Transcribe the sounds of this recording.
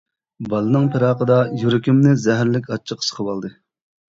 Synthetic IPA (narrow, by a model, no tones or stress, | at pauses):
bɑlˠɨnɨŋpʰɪɾɑːqəd̪ɑjuɾɪkʲymnɪzɛɦæɾlɪkʲʰɑt͡ʃʰːəqʰsə̥χʰəwɑlˠd̪ɨ